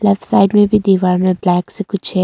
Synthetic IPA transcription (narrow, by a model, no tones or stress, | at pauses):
lɛfʈsaːɪɖmẽbʱid̪iːʋaːɾmẽblɛːksekʊt͡ʃʰɛ